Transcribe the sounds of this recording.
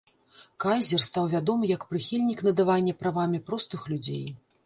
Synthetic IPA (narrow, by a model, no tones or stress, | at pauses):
kajzʲɛrst̪awvʲad̪ɔmɨjɐkpɾɨxʲilʲnʲikn̪ɐd̪avanʲːɐpɾavamʲipɾɔst̪ɨxlʲud͡zʲḛj